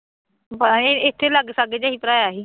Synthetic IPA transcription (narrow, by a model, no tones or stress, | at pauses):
pəɪt̪ʰːeləɡsaɡed͡ʒaːɦiːpəɾaːjaɦiː